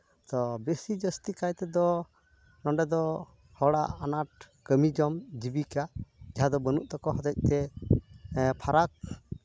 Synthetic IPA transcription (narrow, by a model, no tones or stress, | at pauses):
t̪ɔbesid͡ʒəst̪ikajt̪ɛd̪ɔ | nɔɳɖɛd̪ɔ | hɔɽaanaʈ̚ | kəmid͡ʒɔmd͡ʒibikad͡ʒaɦad̪ɔbənuʔt̪ɔkɔɦɔd̪ɛc̚ˀt̪ɛ | pʰaɾak̚